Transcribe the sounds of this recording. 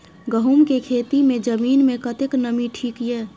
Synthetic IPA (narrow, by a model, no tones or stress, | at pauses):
ɡəɦumkekʰet̪imẽd͡ʒəmiːnmekət̪eknəmiʈʰiːkje